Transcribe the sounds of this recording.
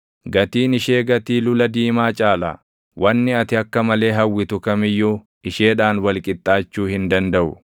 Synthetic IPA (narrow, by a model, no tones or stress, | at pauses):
ɡɐt̪iːnɪʃe̞ːɡɐt̪iːlʊlɐd̪iːmaːt͡ʃʼaːla̰ː | wʔɐnːɪɐt̪ɪɐkːɐmɐle̞ːɦɐwːɪt̪ʊkɐmɪjːuː | ɪʃe̞ːᶑaːnwɐlkʼɪt̪ʼːaːt͡ʃːuːhɪnd̪ɐnd̪ɐʔʊ̰